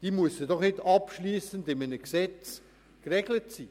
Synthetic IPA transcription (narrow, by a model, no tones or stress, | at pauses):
d̥iːmuəsədɔχnɪdɑpʃliːsəndɪmənəksɛt͡s | krɛɡlətsiː